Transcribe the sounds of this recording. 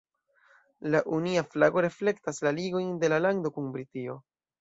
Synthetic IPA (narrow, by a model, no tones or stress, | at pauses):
laʔuniaflaɡo̞ɾe̞fle̞ktaslaliɡo̞jnde̞lalaŋdo̞kunbɾitio̞